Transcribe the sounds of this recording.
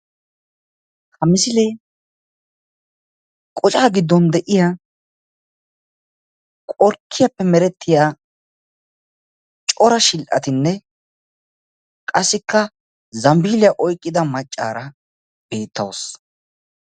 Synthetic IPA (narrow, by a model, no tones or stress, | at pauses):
hɐmɪsɪlɛj | kʼɔt͡ʃʼaːɡɪd̪ːɔnd̪ɛʔɪja | kʼɔɾkʰːɪjɐpːɛmɛɾɛt̪ʰːɪjaː | t͡ʃʼɔɾɐʃɪlʔɐ̰t̪ɪnːɛ | kʼɐsːɪkːɐ | zɐmbiːlɪjɐʔɔjkʼːɪd̪ɐmɐt͡ʃʼːa̰ːɾɐ | b̥e̞ːt̪ʰːɐ̰ws